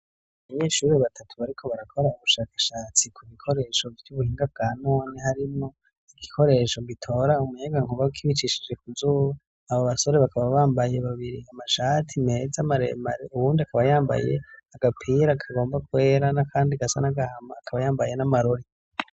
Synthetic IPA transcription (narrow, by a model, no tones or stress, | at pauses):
aaββaɲe̞ːʃuːɾeβatʰatʰuβaɾikʰo̞βaɾakʰo̞ɾauβuʃaːkḁʃaːt͡sikʰuβikʰo̞ɾe̞ʃo̞vjuβuhiːŋɡab̚ɡ̥aːno̞ːnehaɾimo̞ | iɡikʰo̞ɾe̞ʃo̞ɡitʰo̞ːɾaumuɲaɡaŋuβakʰiβit͡ʃiʃid͡ʒe̞kuzuːβa | aβoβaso̞ɾe̞βakʰaβaβaːmbaje̞βaβiɾiamaʃatʰimezamaɾḛma̰ɾeuβuːndiakʰaβajaːmba̰je̞̰aɡapʰiɾakʰaɡo̞ːmbakwe̞ːɾanakʰaːndiaɡasa̰naɡahamaːkʰaβajaːmbaje̞namaɾoɾi